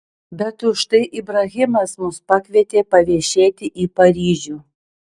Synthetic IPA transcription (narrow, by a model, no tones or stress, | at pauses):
bʲɛt̪ʊʃt̪ɐɪʔɪbɾɐɣʲɪmɐsmʊspɑkʲʋʲiɛt̪ʲeːpɐʋʲiɛʃʲeːt̪ʲɪʔiːpɐɾʲiːʒʲuː